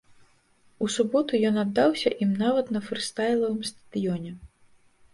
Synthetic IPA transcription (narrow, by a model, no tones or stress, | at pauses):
usubɔt̪ujɔnad̪ːawsʲɐʔimnavɐt̪nɐfɾɨst̪ajlˠɐvɨmst̪ɐ̥d̪̥ɨjɔnʲɛ